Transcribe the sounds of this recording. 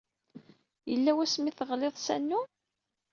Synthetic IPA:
jəlːæwæsmiθəʁleðˤsænːu

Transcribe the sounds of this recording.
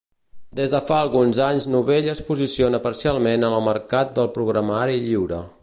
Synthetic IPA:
d̪ezðəfaəlˠɣunzaɲznuβeʎəspuzisionəpəɾsialˠmenənəlˠməɾkat̪̚d̪əlˠpɾuɣɾəmaɾiʎiwɾə̰

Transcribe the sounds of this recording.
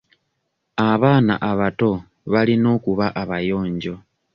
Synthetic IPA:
aβaːna̰ʔaβato̞ | βalino̞ːkuβaʔaβajo̞ːɲɟo̞

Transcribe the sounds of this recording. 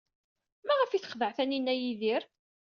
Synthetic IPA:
mæʁəfiθəχðəʕθæninːæjiðiɾ

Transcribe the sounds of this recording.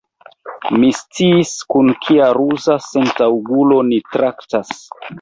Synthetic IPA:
mist͡siːskunkʰiaɾuzasentawɡulo̞nitɾʔaktas

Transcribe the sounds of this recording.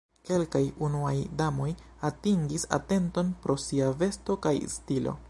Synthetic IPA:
ke̞lkajunuajdamo̞j | atiŋɡisa̰te̞nto̞npɾo̞siave̞sto̞kajstilo̞̰

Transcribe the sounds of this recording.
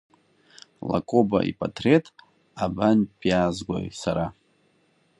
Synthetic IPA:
la̰kʼobaʔipʼatʰretʼ | abanpʼjazɡʷo̰jsaɾa

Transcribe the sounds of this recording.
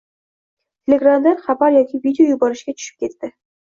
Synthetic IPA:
t̪ʲʰelʲeɡramd̪aɾχɑbɑɾjɒkʲivʲidʲɪjojubɑɾɨʃkʲat̪ʰy̥ʃy̥p̚kʲet̪ːɪ

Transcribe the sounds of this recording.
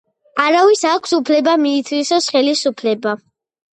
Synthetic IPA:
aɾavisakʷʰsupʰlɛbamiːt̪ʰwisɔsχɛlisupʰlɛba

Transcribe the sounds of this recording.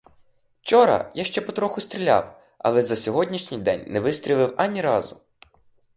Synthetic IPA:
t͡ʃɔɾɐ̰jaʃt͡ʃɛpɔt̪ɾɔxʊst̪ɾʲilʲa̰w | ɐ̰lˠɛzɐsʲɔɦɔdʲnʲiʃnʲɪjd̪ɛ̰nʲnɛʋɪst̪ʲɾʲilˠɪwɐnʲiɾɑzʊ

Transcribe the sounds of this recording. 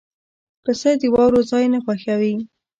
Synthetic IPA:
kəsəd̪əwɑwɾozɑjnapaxawi

